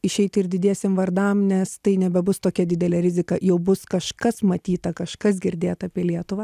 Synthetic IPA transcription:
ɪʃʲɛɪt̪ɪɾd̪ʲɪdʲiɛsʲemʋɐrd̪ɐmnʲɛst̪ɐɪnʲɛbʲɛbʊst̪oːkʲɛd̪ʲɪd̪ʲɛlʲeːɾʲɪzʲɪkɐjɛʊbʊskɐʃkɐsmɐt̪ʲiːt̪ɐkɐʃkɐs̬ɡʲɪɾʲd̪ʲeːt̪ɐːpʲiɛlʲiɛt̪ʊʋɐː

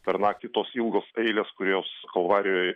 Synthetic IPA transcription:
pʲɛɾnɑːkkʲɪt̪oːsilˠɡoːsɐɪlʲeːskʊɾʲoːskɐlˠʋɑːɾʲɪjoːj

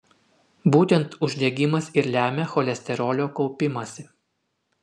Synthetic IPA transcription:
buːt̪ʲɛnt̪ʊʒʲd̪ʲɛɡʲɪmɐsɪɾlʲæːmʲɛxɔlʲɛsʲt̪ʲɛɾɔːlʲoːkɒʊpʲɪmɐsʲɪ

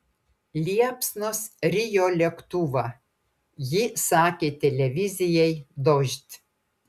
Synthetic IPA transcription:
lʲiɛpsnosɾʲɪjoːlʲɛkt̪uʋɑ | jɪsɑːkʲeːt̪ʲɛlʲɛʋʲɪzʲɪjɛɪd̪ɔʒʲt̪ʲ

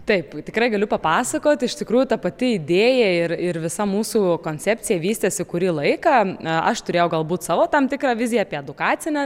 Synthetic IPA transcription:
t̪ɐɪpt̪ʲɪkɾɐɪɡɐlʲʊpɐpɑːsɐkoːt̪ʲɪʃt̪ʲɪkɾuːjʊt̪ɐpɐt̪ʲɪɪd̪ʲeːjɛɪrɪrʋʲɪsɐmuːsuːkoːnʲt͡s̪ʲɛpʲt͡s̪ʲɪjɛʋʲiːsʲt̪ʲeːsʲɪkʊɾʲiːlˠɐɪkɐɐ̰ʃt̪ʊɾʲeːjɛʊɡɐlˠbuːt̪sɑːʋoːt̪ɐmt̪ʲɪkɾɑːʋʲɪzʲɪjɛɑːpʲiɛɛd̪ʊkɑːt͡s̪ʲɪnʲɛ

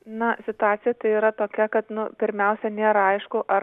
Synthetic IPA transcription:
nɐsʲɪt̪ʊɑːt̪sʲɪjɛt̪ɐɪiːɾɐt̪oːkʲɛkɐt̪nʊpʲɪɾʲmʲɛʊsʲɛnʲeːɾɐɐɪʃkʊʔɐ

